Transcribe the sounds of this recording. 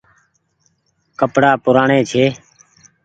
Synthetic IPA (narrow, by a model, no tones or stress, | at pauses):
kəpɽaːpʊɾaːɳeːt͡ʃʰeː